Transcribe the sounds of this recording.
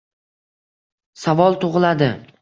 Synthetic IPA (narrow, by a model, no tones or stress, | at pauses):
savɒlˠt̪ʰoʁɨlad̪ɪ